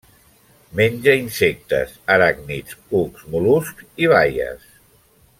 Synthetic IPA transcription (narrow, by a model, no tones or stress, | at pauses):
menʲd͡ʒəinsek̚t̪ə̰səɾaɡnit͡suksmuluskiβ̞ajə̰s